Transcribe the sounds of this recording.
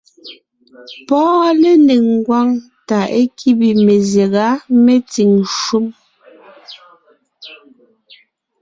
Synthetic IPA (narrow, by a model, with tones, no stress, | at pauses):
pɔː˦le˦ne˨ŋŋ˨ɡwa˦ŋ | ta˨ʔe˦kʰi˦bi˨me˨zje˨ɣa˨˦me˦ti˨ŋʃu˦m